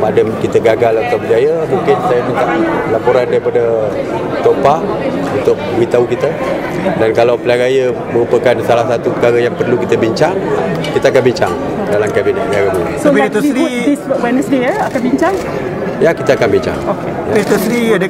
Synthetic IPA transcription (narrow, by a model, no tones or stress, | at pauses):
padəmkit̪əɡaɡalat̪awbəd͡ʒajəmũŋkɪnsajamint̪aʔlapoɾandaɾipadə | t̪opa | unt̪ʊk̚əmit̪aukit̪ə | dankalawplaɾajə | məɾupəkansalahsat̪upəkaɾajaŋpərlukit̪əbiɲt͡ʃaŋkit̪əakanbiɲt͡ʃaŋ | dalamkabinat̪̚aɡabunasapit̪uɾiiswɛnəsdiəakanbiɲt͡ʃaŋ | jakit̪əakanbiɲt͡ʃa̰ŋokejait̪usɾiadə